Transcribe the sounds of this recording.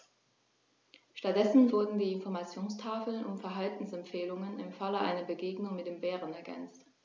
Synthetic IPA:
ʃtat̚d̥ɛsn̩vʊɐdn̩diːɪnfɔɐmat͡sjoːnstʰaːfl̩nʔʊ̰mfɛɐɦaltn̩sɛmpfeːlʊŋənɪmfaləʔa̰ɪnɐbəɡeːɡnʊŋmɪtd̥eːmbɛːʁənɛɐɡɛ̰nt͡st

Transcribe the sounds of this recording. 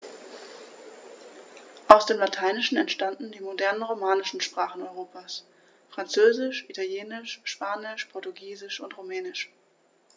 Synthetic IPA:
ʔaʊsd̥eːmlatʰaɪnɪʃn̩ɛntʃtandn̩diːmodɛɐnənʁomaːnɪʃn̩ʃpʁ̥aːχn̩ɔʏʁoːpʰaːs | fʁ̥ant͡søːzɪʃʔitʰaljeːnɪʃʃpaːnɪʃpʰɔɐtuɡiːzɪʃʊntʁomɛːnɪʃ

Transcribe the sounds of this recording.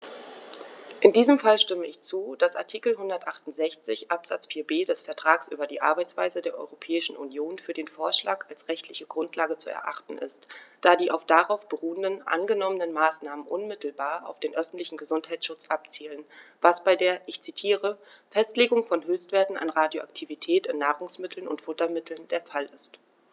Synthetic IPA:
ʔɪndiːzəmfalʃtɪməɪçt͡suːd̥asʔa̰ɐtʰiːkl̩ɦʊndɐtʔaχtʊntz̥ɛçt͡sɪçʔapz̥a̰t͡sfiːɐbeːdɛsfɛɐtʁ̥aːksʔy̰ːbɐdiːʔa̰ɐbaɪt͡sv̥a̰ɪzədeːɐʔɔ̰ʏʁopʰɛːɪʃn̩ʔṵnjoːnfyːɐdeːnfoːɐʃla̰ːkalsʁɛçtlɪçəɡʁʊntʰlaːɡət͡suɛ̰ɐʔaχtn̩ʔɪ̰std̥aːdiːʔaʊfd̥aʁaʊfb̥əʁuːəndənʔa̰nɡənɔmənənmaːsnaːmənʔʊnmɪtl̩baːɐʔa̰ʊfd̥eːnʔœfn̩tlɪçn̩ɡəzʊnthaɪsʃʊt͡sʔapt͡siːlənvasb̥aɪdeːɐʔɪçt͡sitʰiːʁə | fɛstleːɡʊŋfɔnɦøːçstv̥eːɐtn̩ʔa̰nʁaːdjoʔaktʰivitʰɛːtɪnːaːʁʊŋsmɪtʰl̩nʊ̰ntfʊtɐmɪtʰl̩ndeːɐfalɪst

